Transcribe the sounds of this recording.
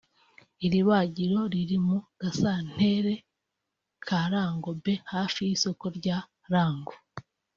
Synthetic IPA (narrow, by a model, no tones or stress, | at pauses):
iɾiβaɟiɾo̞ɾiɾimuɡ̥asan̥e̞ɾe̞ | kʰaɾaːŋɡo̞be̞haːfijiso̞koɾɟa | ɾaːŋɡo